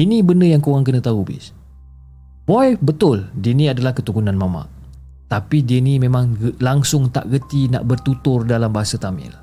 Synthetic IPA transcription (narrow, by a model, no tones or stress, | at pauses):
inĩbəndəjaŋkoɣaŋkənət̪aɦubɪ̰s | bɔjbət̪ʊldinĩadalahkət̪ukunãnmama̰ʔ | t̪apidinimẽmãŋəlaŋsʊŋt̪a̰ʔɣət̪ina̰ʔbərt̪ut̪ʊrdalambaɦasat̪amɪ̰l